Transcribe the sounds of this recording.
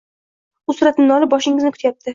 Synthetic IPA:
ʊsʊɾat̪nɪnɒlɪp̚bɒʃɪŋɪznɪkʰʊ̥t̪ʰjap̚t̪ʰɪ

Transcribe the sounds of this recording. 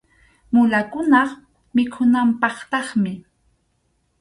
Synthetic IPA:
mʊlakʊnɑχ | mɪkʰʊnampɑχt̪ɑχmɪ

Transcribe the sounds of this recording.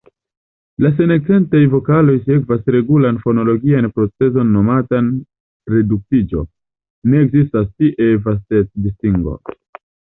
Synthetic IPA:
las̬e̞nek̚t͡se̞ntajvo̞kalo̞jse̞kvasɾe̞ɡulanfo̞no̞lo̞ɡianpɾo̞t͡se̞zo̞nːo̞matan | ɾe̞duk̚tid͡ʒo̞̰ | ne̞ːkzistastiʔe̞vastet̚distiŋɡo̞̰

